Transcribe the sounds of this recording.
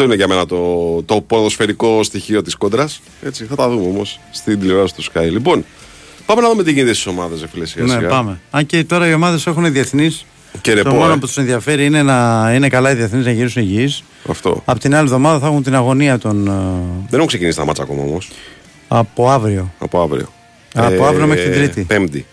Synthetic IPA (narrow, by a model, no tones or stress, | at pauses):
ɐft̪oineʝɐme̞nɐt̪ot̪o̞poɾðosfe̞ɾiko̞st̪içio̞t̪isko̞d̪ɾɐs | e̞t͡siθɐt̪ɐðumeo̞mo̞sːt̪id̪iliveɾɐsit̪uskɐjlipo̞n | pɐmenɐðumet̪iʝinit̪est̪isomɐðɐsefilesi̥ɐnseɣɐpɐme̞ɐɲcet̪o̞ɾɐio̞mɐðe̞se̞xuniðieθnis | ceɾet̪omonoput̪usenðiɐfe̞ɾiine̞nɐine̞kɐlɐiðieθniznɐʝiɾisuniʝis | ɐ̰ft̪o̞̰ɐpot̪inɐlievðo̞mɐðɐθɐxunt̪inɐɣo̞niɐt̪o̞nðeneukse̞cinisit̪ɐ̰mɐt͡sɐ̰ko̞̰mɐ̰o̞̰mo̞s | ɐpo̞ɐvɾio̞ɐ̰poɐvɾḭo̞̰ | ɐoɐɾio̞meɾt̪id̪ɾit̪ipemd̪ḭ